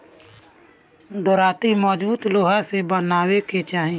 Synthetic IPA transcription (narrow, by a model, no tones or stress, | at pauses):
d̪ɔːɾaːt̪imɔːd͡ʒuːd̪loːɦasebənaːweket͡ʃaːɦĩ